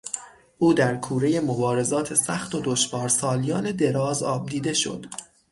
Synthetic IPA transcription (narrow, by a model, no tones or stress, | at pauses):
ʔuːd̪æɾkʰuːɾe̞je̞mobɒːɾe̞zɒːt̪ʰe̞sæxt̪o̞d̪o̞ʃvɒːɾsɒːlijɒːne̞d̪e̞ɾɒːzɒːb̚d̪iːd̪e̞ʃo̞̰d̪̥